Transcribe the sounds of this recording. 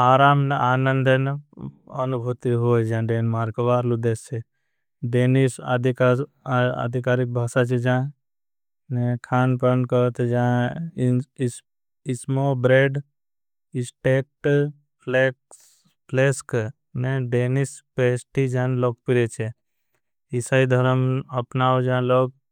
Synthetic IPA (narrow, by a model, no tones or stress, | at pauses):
aːɾaːmnaːnənd̪ən | ɐnubʱut̪iɦoːd͡ʒãɖeːnmaːɾkɐʋaːɾlud̪est͡ʃʰe | ɖeːnisa̰d̪ʱika | a̰d̪ʱikaːɾik̚bʱaːsat͡ʃʰid͡ʒãː | nekʰaːnpənkət̪d͡ʒã | ɪsmobɾeːɖ | ɪsʈek̚ʈ | pʰlek | pʰleːsk | neɖeːnispeːsʈid͡ʒãːnloːɡ̚piɾet͡ʃʰe | ɪsaid̪ʱəɾəməpnaod͡ʒãːloːɡ̚